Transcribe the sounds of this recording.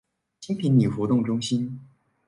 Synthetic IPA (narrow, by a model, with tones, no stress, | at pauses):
t͡ɕʰi˥ŋt̪ʰi˧˥ŋni˨˩xwɔ˧˥t̪ʊ˥˩ŋʈ͡ʂʊ˥ŋɕi˥n